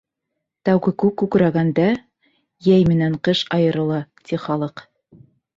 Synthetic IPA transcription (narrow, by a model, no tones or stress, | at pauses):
t̪æwɡɘkʉkːʉkɾæɡænd̪æ | jæjmɘ̆næɴqɤʃɑjɤ̆ɾɤ̆lˠɑt̪ʲiχɑlˠɤq